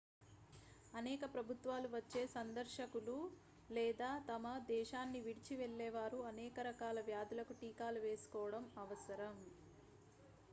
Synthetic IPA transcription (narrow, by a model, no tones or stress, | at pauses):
ɐnɛːkɐpɾɐbʱut̪ʋaːluʋɐt͡ʃːe̞ːsɐnd̪ɐɾʃɐkulu | lɛːd̪aːt̪ɐmɐd̪ɛːʃaːnːiʋiɽit͡ʃiʋɛɭːɛːʋaːɾuɐnɛːkɐɾɐkaːlɐʋjaːd̪ulɐkuʈiːkaːluʋe̞ːsu̥kɔːʋɐɽɐmɐʋɐsɐɾɐm